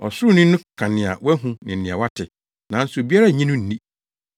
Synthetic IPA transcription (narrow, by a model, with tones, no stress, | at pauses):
ɔ̰˨sʊ˦˨nɪ̃˦nʊ̃˦kʰã˨nɪ̃˨a̰˨wɛ˦ɦũ˦nɪ̃˨n̩˨nɪ̃˨a˨wa˦tʰɪ˨ | nã˨n̩˦sʊ˨bi˦a˦ɾa˦˨ɲĩ˦nʊ̃˦n̩˨nĩ˦˨